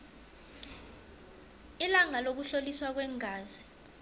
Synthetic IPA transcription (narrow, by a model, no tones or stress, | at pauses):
ilaŋalok̬uɬoliswak̬wɛːŋʱaːzi